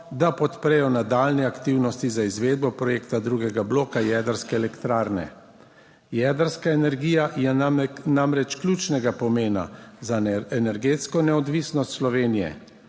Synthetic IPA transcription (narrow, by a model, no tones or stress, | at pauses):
d̪apɔt̪pɾɛjɔnad̪aːlnɛakt̪iwnɔst̪izaizʋeːd̪̚bɔpɾɔjeːkt̪ad̪ɾuɡɛɡabloːkajɛd̪əɾskɛːlɛkt̪ɾaːɾnɛ̰ | jɛd̪əɾskaɛnɛɾɡiːjajɛnamɾɛt͡ʃklʲjuːt͡ʃnɛɡapɔmeːna̰zaɛnɛɾɡeːt̪skɔnɛɔd̪ʋisnɔst̪slɔʋeːnijɛ̰